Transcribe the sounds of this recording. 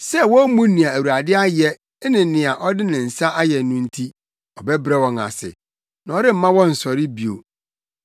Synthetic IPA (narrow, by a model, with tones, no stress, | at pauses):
sɛ˦wɔ̃˦mũ˦nĩ˨a˨æ˨wu˨a˨dɪ˦a˦jɛ˦ | nɪ̃˨˦nɪ̃˨a˨ʔɔ˦dɪ˦nɪ̃˨n̩˨sa˦ʔa˦jɛ˨nũ˦n̩˦tʰi˦ | ɔ˨bɛ˦bɾɛ˦˨wɔ̃˨ŋa̰˨sɪ̰˨ | nã˨ɔ˦ɾɪ˦m̩˦mã˦wɔ̃˦n̩˨sɔ˨ɾɪ˦bi˨o̰˨